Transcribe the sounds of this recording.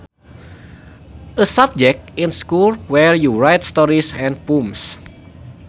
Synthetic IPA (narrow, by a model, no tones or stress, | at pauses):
ʔəsab̚d͡ʒɛk̚tɪ̃nskulwɛɹjuɹajtst̪ɔɾisɛ̃nd̚pums